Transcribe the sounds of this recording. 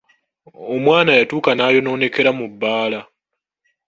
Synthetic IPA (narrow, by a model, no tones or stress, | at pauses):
omwaːnajatuːkanaːjo̞no̞ːne̞ke̞ɾamubːaːla